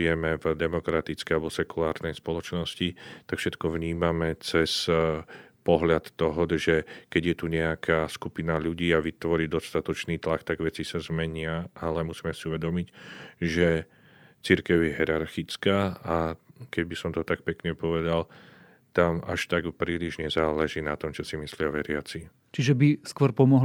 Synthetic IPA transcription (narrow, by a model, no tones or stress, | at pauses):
ɛmɛvd̪ɛmɔkɾat̪it͡skɛjalɛbɔsɛkulaːɾnɛjspɔlɔt͡ʃnɔscit̪akfʃɛt̪kɔvɲiːmamɛt͡sɛs | pɔɦʎat̪ːɔɦɔʒɛkɛɟjɛt̪uɲɛakʰaːskupinaʎuɟiːaʋit̪ʋɔɾiːd̪ɔst̪at̪ɔt͡ʃniːt̪lakt̪aɡʋɛt͡sisazmɛɲɪaʔalɛmusiːmɛsiuʋɛd̪ɔmicʒɛ | t͡siɾkɛʊjɛɦɛɾaɾxit͡skaːakɛɟbisɔmt̪ɔt̪ak̚pɛkɲɛpɔʋɛd̪al | t̪amʔa̰ʃt̪aɡpɾiːliʒɲɛzaːlɛʒiːnat̪ɔmt͡ʃɔsimislɪaʋɛɾɪat͡si | t͡ʃiʒɛbiskwɔɾpɔmɔɦ